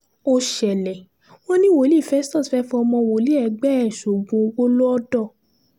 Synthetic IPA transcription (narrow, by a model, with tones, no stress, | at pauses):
o˧ʃɛ˨lɛ˨ | wɔ̃˦nĩ˦wo˨˦li˦˨fɛ˨˦stɔ̃˦˨fɛ˨˦fɔ˧ɔ˧mɔ̃˧wo˨˦li˨˦ɛ˨ɡ͡bɛ˦ɛ˦˨ʃo˨ɡũ˨o˧wo˦lo˦ɔ˦dɔ˦˨